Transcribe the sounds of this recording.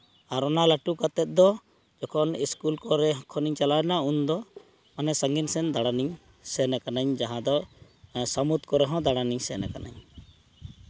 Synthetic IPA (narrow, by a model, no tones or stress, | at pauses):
aɾɔnalaʈukat̪ɛt̪̚d̪ɔ | d͡ʒɔkʰɔniskulkɔɾɛɦkʰɔniɲt͡ʃalanaund̪ɔ | manɛsaŋɡinsɛnd̪aɽaniɲ | sɛnakanaɲd͡ʒaɦãd̪ɔ | samut̪kɔɾɛɦɔ̃d̪aɽaniɲsɛnakana̰ɲ